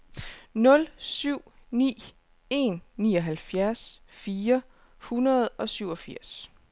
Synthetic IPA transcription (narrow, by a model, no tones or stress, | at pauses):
nɔ̽lsyʊ̰nḭː | e̝nːiːɒ̽ɦælfjæɐs | fiːɐ | hunɐð̞̩ˠɒ̽syʊɒ̽fiɐ̰s